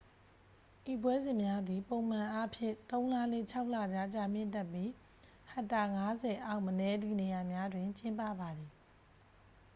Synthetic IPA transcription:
ʔi˨pwɛ˦zɪ̃˨mja˦d̪i˨põ˨ʊ̃m̥ã˨ʔa˦pʰjɪ̰̃˦˨t̪õ˦ʊ̃la˦lḛ˦˨t͡ɕʰa˦ʊʔla˨d͡ʑa˦˨t͡ɕa˦˨m̥jɪ̰̃˦˨ntɛ˦˨pːji˦ | hã˨ta˨ŋa˦zɛ˨ʔa˦ʊʔmənɛ˦d̪ḭ˦˨ne˨ja˨mja˦dwɪ̃˨ɲt͡ɕɪ̃˦mpä̰˦˨ba˨d̪i˨

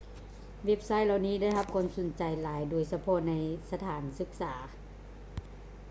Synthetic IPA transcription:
ʋe˦˧˥p̚sa˦˥˩jla˧wniː˦˥˩da˥˩jɦa˧p̚kʰɔː˧˥˨mso˨˦nt͡ɕa˨jlaː˨˦jduː˩əjsa˧pʰɔ˧na˧jsa˧t̪ʰaː˩˦nsɯ˧˦k̚saː˩˦

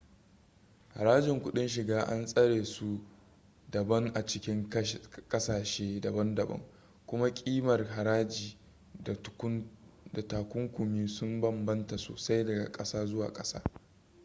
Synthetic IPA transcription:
ha̰˨ɾaː˦d͡ʒɪ˨ŋkʷʊ˦ɗɪ˦nʃ̬ɪ˨ɡaː˦ʔa̰˦nsʼɐ˦ɽeː˨su˦ | dɐ˨bɐ˦ŋʔa˨t͡ʃɪ˦kʲɪ˦ŋkʼɐ˦saː˨ʃeː˦dɐ˨bɐ˦ndɐ˨bɐ̰˦ŋ | kʷʊ˦ma˦kʲʼiː˦mɐ˨rɦa˨ɾaː˦d͡ʒiː˨˦ | da˨taː˨kʷʊ˦ŋkʷʊ˨miː˦sʊ˦mbɐ˦˨mbɐ˦nta˨so̰˦sa˦jdɐ˨ɡa̰˨kʼɐ˦saː˦zʊ˦wa̰ː˨kʼɐ˦sa̰ː˦

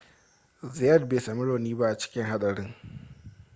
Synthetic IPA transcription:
zɪ˨jɐ˦˨d̚beː˨sa˨mɪ˦ɽoː˨niː˦ba˦ʔa˨t͡ʃɪ̥˦kʲɪ˦ŋɦa˦ɗʼɐ˨ɽɪ˦ŋ

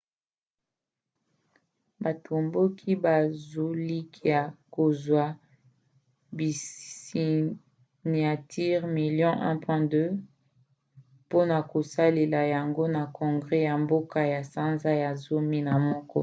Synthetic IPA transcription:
ba˨tʰo˨mbo˦kʰi˦ba˨zu˨li˦kja˨ko˨zwa˦ | bi˨si˨ | n˨a˨tʰi˦ʁmi˨ljɔ̃˦ʔɛ̰̃˦pwɛ̃˦dø˦ | po˦na˨ko˨sa˦le˨la˨ja˨ŋɡo˦na˨kɔ̃˨ŋɡʁɛ˦ja˨mbo˦ka˦ja˨sa˦nza˦ja˨zo˦mi˦na˨mɔ˦kɔ̰˦

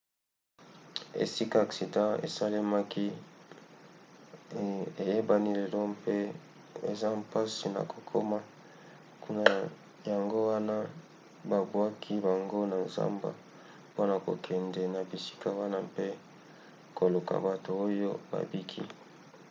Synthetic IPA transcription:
ḛ˨si˦ka˦a˨ksi˨dã˦ḛ˨sa˦li˦ma˦ki˦ | e˨je˦ba˦ni˦le˨lɔ˦mpe˦ | ḛ˨za˦mpa˦si˨na̰˨ko̥˨kʰo˦ma˦ | ku˦na˦ | ja˨ŋɡo˦wa˦na˦ | ba˨bu˨a˦kʰi˦ba˨ŋɡo˦na˨nza̰˦mba̰˨ | po˦na˨ko̰˨kʰɛ˨ndɛ˨na˨bi˨si̥˦ka˦wa˦na˦pe˦ | ko˨lu˨ka̰˨ba˨to˨o˦jo˦ba̰˨bi˦kʰḭ˦

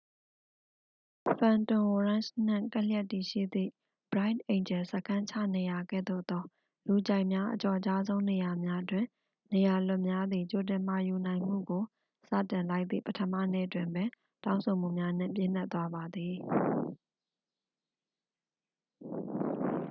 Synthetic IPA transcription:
fʰã˨ntʊ̃˨wɔ˨ɹã˦˨ʃn̥ɪ̰̃˦˨ŋka˦ljɛ˦tːi˨ʃḭ˦˨d̪ðḭ˦˨ | bɹa˦ɪ̃tʔẽ˨ɪ̃ɲd͡ʑɛ˨səkʰã˦ɲt͡ɕʰä̰˦˨ne˨ja˨ɡɛ̰˦˨d̪o̰˦˨d̪ɔ˦ | lu˨d͡ʑã˨ɪʔmja˦ʔət͡ɕɔ˨ət͡ɕa˦zõ˦ʊ̃ne˨ja˨mja˦ʔtwɪ̃˨ | ne˨ja˨lʊ˦ʔmja˦d̪ði˨t͡ɕo˨t̬ɪ̃˨ma˨ju˨nã˨ɪ̃m̥ṵ˦˨ɡo˨ | sä̰˦˨tɪ̃˨nla˦ɪʔt̪ðḭ˦˨pətʰəmä̰˦˨nḛ˦˨ətwɪ̃˨mbɛ˦ | tã˦ʊ̃so˨m̥ṵ˦˨mja˦n̥ɪ̰̃˦˨mp̬jɪ̰̃˦˨n̥ɛ˦t̪wa˦ba˨d̪i˨

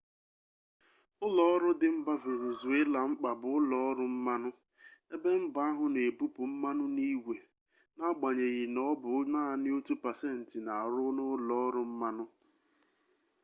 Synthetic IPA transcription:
ʊ˦lɔ˨˦ɔ˦ɾʊ˦dɪ˨m̩˦ba˦ve˨ne˨zu˨e˦la˨ŋ͡m̩˦k͡pa˨bʊ˨ʊ˦lɔ˨ɔ˦ɾʊ˦m̩˦ma˦nʊ˦ | e˦be˦m̩˦ba˦a˦ɦʊ˨ne˨bu˦pʊ˨m̩˦ma˦nʊ˦ni˦we˨ | na˦ɡ͡ba˨ɲe˨ɣɪ˨nɔ˦bʊ˨˦naː˦˨nɪ˦o˦tu˦pa˨se˦n̩˨tɪ˨na˨ɾʊ˦nʊ˦lɔ˨ɔ˦ɾʊ˦m̩˦ma˦nʊ˦

